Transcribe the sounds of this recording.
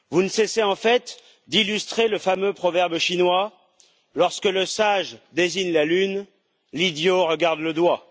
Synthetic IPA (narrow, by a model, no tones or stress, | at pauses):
vunəsɛseɑ̃fɛt̪ | d̪ilyst̪χeləfamøpχɔvɛʁbʃinwa | lɔʁskələsaʒd̪ezinlalyn | lid̪joʁəɡaʁd̪ləd̪wa